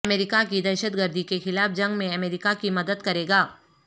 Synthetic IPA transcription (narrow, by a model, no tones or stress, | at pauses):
meːɾɪkakid̪ɛːʃət̪ɡəɾd̪ʱikexɪlaːfd͡ʒɐ̃ŋɡmẽɐmeːɾɪkakimɐd̪əd̪kɐɾeːɡaː